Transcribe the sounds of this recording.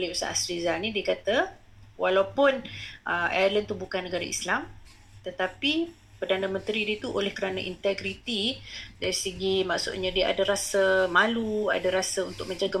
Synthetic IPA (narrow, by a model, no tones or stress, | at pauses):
liusa̰ʔasɾizalnĩdiəkat̪a | walawpʊnʔəmʔa̰ələnt̪ubukanːəɡaɾaḭslam | t̪ət̪api | pərdanəmə̃nt̪ɾidit̪uʔolɛhkəɾana̰ʔḭnt̪ɛɡɾit̪idaɾisəɡimaʔsʊ̰t̪̚ɲãdiaʔa̰dəɾasəmalua̰daɾasəunt̪ʊk̚mə̃ɲd͡ʒaɡə